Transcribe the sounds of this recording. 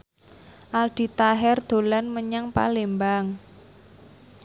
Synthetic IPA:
ʔald̪̥i̤t̪aɦɛrd̪̥o̤lanməɲaŋpa̰lembaŋ

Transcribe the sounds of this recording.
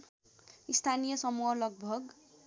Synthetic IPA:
ist̪ʰanijʌsʌmuɦʌlʌɡ̚bʱʌɡ

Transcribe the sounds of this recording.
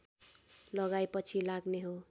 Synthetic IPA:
lʌɡajpʌt͡sʰilaɡneɦo

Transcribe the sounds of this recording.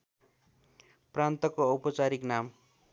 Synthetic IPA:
prant̪ʌkoʌwpʌt͡saɾiknam

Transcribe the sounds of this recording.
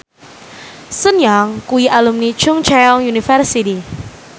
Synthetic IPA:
sənjaŋkuiʔalumnit͡ʃʊŋt͡ʃɛjɔŋjunifərsiti

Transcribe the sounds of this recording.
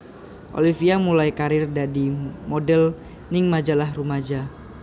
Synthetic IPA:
ʔo̰lifiamulajkaɾɪrdadimodɛl | nɪŋmad͡ʒalahrumad͡ʒa

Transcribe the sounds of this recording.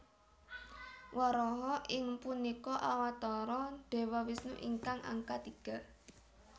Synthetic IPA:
wɔɾɔɦɔʔɪŋpunikɔʔawat̪ɔɾɔd̪̥e̤wɔwisnuʔḭŋkaŋʔa̰ŋkat̪iɡ̥a̤

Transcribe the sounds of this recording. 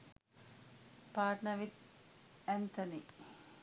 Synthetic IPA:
paːʈnɐʋit̪̚ | ɛnt̪ɐni

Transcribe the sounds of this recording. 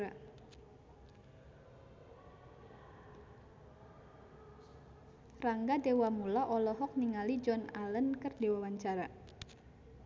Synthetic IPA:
a | raŋɡadewamulaʔɔlɔɦɔk̚niŋalid͡ʒɔnalənkərdewawaɲt͡ʃaɾa

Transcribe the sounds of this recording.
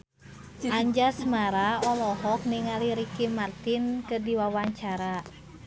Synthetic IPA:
ʔaɲd͡ʒasmaɾaɔlɔɦɔk̚niŋaliɾikimart̪inkədiwawaɲt͡ʃaɾa

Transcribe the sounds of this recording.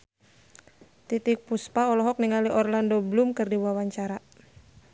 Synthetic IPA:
t̪it̪ik̚puspaɔlɔɦɔk̚niŋaliʔɔrlandoblumkɨrdiwawaɲt͡ʃaɾa

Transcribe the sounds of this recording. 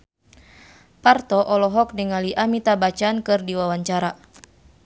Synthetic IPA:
part̪ɔʔɔlɔɦɔk̚nəŋaliʔamit̪abat͡ʃankɨrdiwawaɲt͡ʃaɾa

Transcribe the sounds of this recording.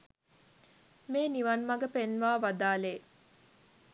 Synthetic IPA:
meːniʋɐnmɐɡəpenʋaːʋad̪aːleː

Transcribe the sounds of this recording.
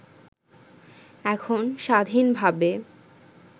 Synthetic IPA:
ɛkʰonʃad̪ʱinbʱabe

